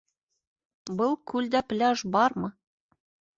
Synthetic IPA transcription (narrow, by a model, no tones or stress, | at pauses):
bɤlˠkʉld̪æplʲæʒbɒɾmɤ